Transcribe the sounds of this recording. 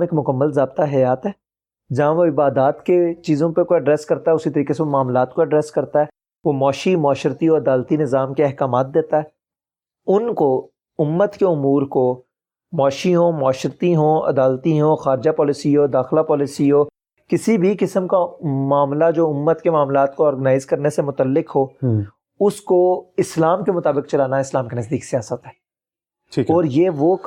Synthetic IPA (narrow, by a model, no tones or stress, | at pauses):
eːkmʊkəmːəlzaːb̚t̪aɦɐjaːt̪ɦɛː | d͡ʒɐɦãʋoɪbaːd̪aːt̪ket͡ʃiːzõpekoɐɖɾɛːskɐɾt̪aɦɛʊsit̪ɐɾiːkeseomaːmlaːt̪koɐɖɾɛːskɐɾt̪aɦɛː | ʋomɔːʃimaːʃəɾt̪iɦõːɐd̪aːlt̪inɪzaːmkeɛɦkaːmaːt̪̚d̪eːt̪aɦɛː | ʊnko | ʊmːət̪keʊmuːɾko | mɔːʃiɦõːmaːʃəɾt̪iɦõːɐ̰d̪aːlt̪iɦõːxaːɾɪd͡ʒapɔːlɪsiɦoːd̪aːxlapɔːlɪsiɦoː | kɪsibʱikɪsəmkamaːmlad͡ʒoːʊmːət̪kemaːmlaːt̪koɔːɾɡənaːɪzkɐɾnesemʊt̪əlːɪkɦoː | ʊskoɪslaːmkemʊt̪aːbɪkt͡ʃɐlaːnaɛɪslaːmkenɐzd̪iːksijaːsət̪ɦɛː | ʈʰiːɔːɾjeːʋo